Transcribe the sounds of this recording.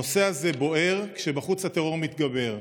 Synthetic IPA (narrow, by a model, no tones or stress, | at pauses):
ose̞aze̞bo̞ʔe̞ʁkʃebaχut͡shat̪eʁo̞ʁmit̪ɡabe̞ʁ